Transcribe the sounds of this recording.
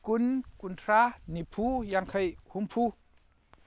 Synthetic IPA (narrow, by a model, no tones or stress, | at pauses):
kunkuntʰɾanipʰujaŋkʰajhumpʰu